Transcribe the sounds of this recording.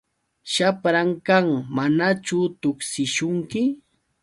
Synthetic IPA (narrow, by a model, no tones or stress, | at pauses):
ʃapɾaŋkaŋmanat͡ʃʊt̪ʊksɪʃʊŋkɪ